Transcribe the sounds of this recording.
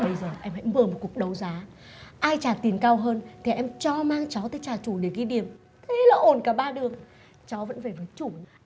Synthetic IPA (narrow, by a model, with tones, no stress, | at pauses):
ɓə˧jzəː˨˩ʔɛ˧mhɛ̰˧˥jməː˨˩mo˨˩t̚ku˨˩ək̚ɗə˨˦wzaː˨˦ | ʔaː˧jt͡ɕaː˨˩t̪i˨˩ənkaː˧wɦəː˧nt̪ʰi˨˩ʔɛ˧mt͡ɕɔ˧maː˧ŋt͡ɕɔ˨˦t̪əː˨˦jt͡ɕaː˨˩t͡ɕu˧˩ɗi˨˧˩ki˨˦ɗi˨˩əm | t̪ʰe˨˦laː˨˩ʔo˧˩nkaː˧˩ɓaː˧ɗɨ˨˩əŋ | t͡ɕɔ˨˦və̰˧˥nve˨˩vəː˨˦jt͡ɕu˧˩